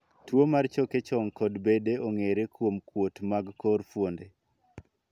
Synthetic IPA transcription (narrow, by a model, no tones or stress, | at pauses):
twomart͡ʃɔket͡ʃɔŋkɔdbedeoŋeɾekwomkwotmaɡkɔɾfwonde